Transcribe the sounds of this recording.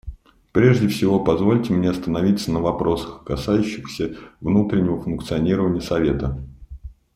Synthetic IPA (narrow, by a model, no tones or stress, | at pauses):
pɾʲe̞ʐdʲɪfsʲɪvo̞pɐzvo̞lʲtʲɪmʲnʲeɐst̪ənɐvʲit̪sənəvɐpɾo̞sə̥xkɐsajʉɕːɪxsʲəvnut̪ɾʲɪnʲːɪvəfʊnk̚t̪sɨɐnʲiɾəvənʲɪjəsɐvʲe̞t̪ə